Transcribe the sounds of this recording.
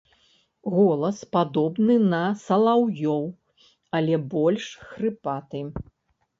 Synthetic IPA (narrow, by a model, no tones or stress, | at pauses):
ɣɔlˠɐspad̪ɔbnɨnɐsɐlˠawjɔw | ɐlʲɛbɔlʲʂxɾɨpat̪ɨ